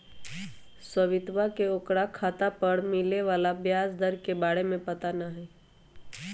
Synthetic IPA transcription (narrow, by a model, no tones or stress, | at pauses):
səʋɪt̪ʋakeokɽakʰaːt̪apəɾmɪleʋaːlabjaːsd̪əɾkebaːɽemẽpɐt̪anaɦɛː